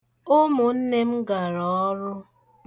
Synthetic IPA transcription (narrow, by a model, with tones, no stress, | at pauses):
o˦mʊ˨n̩˦ne˦m̩˦ɡa˨ɾɔ˦ɔ˦ɾʊ˦